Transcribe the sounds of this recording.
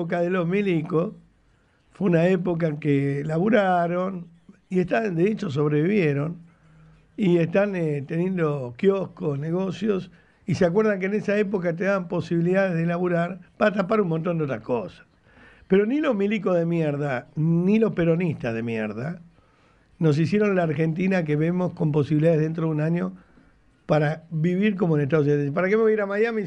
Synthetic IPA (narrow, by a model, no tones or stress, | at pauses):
ok̬aðelo̞ɦmiliko | fweunaep̬o̞k̬aeŋkelaβuɾaɾo̞n | ie̞ht̪and̪eet͡ʃos̬o̞βɾeβiβjeɾo̞n | iest̪anet̪e̞njend̪o̞kjohkosne̞ɣo̞sjo̞s | iseak̬weɾðaŋk̬enesaep̬ok̬at̪̬eðaβampo̞siβiliðaðezðelaβuɾaɾpaɾat̪apaɾumõnt̪ond̪et̪ɾakosḁ | peɾo̞nilo̞ɦmiliko̞ɦðemjeɾð̞anilo̞hpeɾo̞nist̪aɦðe̞mjḛɾða | no̞s̬isje̞ɾõ̞nlaːɾxe̞nt̪̬inak̬eβemo̞sko̞mpo̞siβiliðaðeðe̞nt̪̬ɾoðunaɲo̞ | paɾaβiβiɾk̬o̞moeneht̪aðos̬unpaɾakemeiɾamaðjami